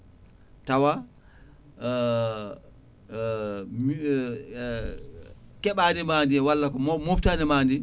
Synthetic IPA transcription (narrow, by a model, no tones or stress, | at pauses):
tawa | m | kɛɓaːnimaːndiwalːakɔmmoptaːnimaːndi